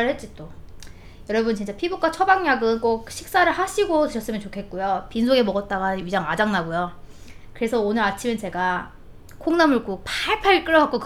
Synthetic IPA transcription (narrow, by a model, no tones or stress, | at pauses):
ɯɭɦhet̚t͡ɕ͈it͈o | jʌɾʌbɯnt͡ɕint͡ɕ͈apʰibuk͈at͡ɕʰʌbaŋɲaɡɯnk͈ok̚ɕʰik̚s͈aɾɯɭɦaɕʰiɡotɯɕʰʌs͈ɯmjʌnt͡ɕokʰe̞t̚k͈ojopinsʰoɡe̞mʌɡʌt̚t͈aɡaɥid͡ʑaŋad͡ʑaŋnaɡojokɯɾe̞sʰʌonɯɾat͡ɕʰiment͡ɕe̞ɡa | kʰoŋnamuɭk͈uk̚paɭpʰaiɭk͈ɯɾʌɡak͈ok